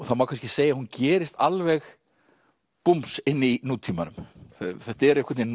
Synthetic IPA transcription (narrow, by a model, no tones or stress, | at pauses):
ɔθaðmawkʰans̬cɪseːjahuncɛːɾɪst̪alvɛɣ | pumpsɪnːinuːt̪ʰiːmanʏmθɛht̪ɛɾɛhkʰaɾt̪nɪ